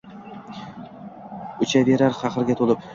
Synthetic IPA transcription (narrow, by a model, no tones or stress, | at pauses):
ʊt͡ʃʰaveɾaɾχɑqɨɾɡʲat̪ʰolˠɪp